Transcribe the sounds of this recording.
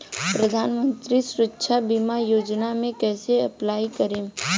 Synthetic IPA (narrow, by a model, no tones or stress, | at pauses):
pɾɐd̪ʱaːnmə̃nt̪ɾisʊɾətːʃʰabimajoːd͡ʒnamẽkɛːseɐplaːikɐɾẽː